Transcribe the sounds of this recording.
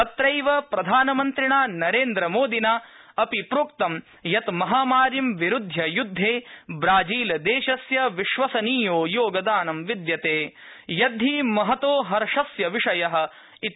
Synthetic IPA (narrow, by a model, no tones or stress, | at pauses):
ɐt̪ɾɐjʋɐpɾɐd̪ʱaːnɐmɐnt̪ɾiɳaːnɐɾeːnd̪ɾɐmoːd̪inaː | ɐpipɾuːkt̪ɐm | jɐt̪mɐɦaːmaːɾjɐmʋiɾud̪ʱjɐjud̪ʱːeːbɾaːd͡ʒiːlɐd̪eːʃɐsjɐʋiʃʋɐsɐniːjoːjoːɡɐd̪aːnɐmʋid̪jɐt̪eː | jɐd̪ʱimɐɦɐt̪oːɦɐɾʂɐsjɐʋiʂɐjɐɦɐ̆ | i